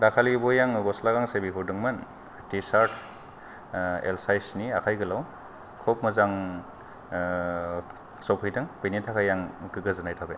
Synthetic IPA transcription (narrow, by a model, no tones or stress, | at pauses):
dakʰalibɔjaŋɡɔslaɡaŋsebiɦuɾdɯŋman | tisaɾtʰ | ḛlsajsniakʰajɡɯlaw | kʰɔp̚mɯzaŋ | sɔpʰɯjdɯŋbenitʰakʰajːaŋkɯɡɯzɯnajtʰabe